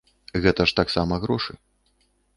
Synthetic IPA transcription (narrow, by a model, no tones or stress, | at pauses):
ɣɛt̪ɐʂt̪aksamɐɣɾɔʂɨ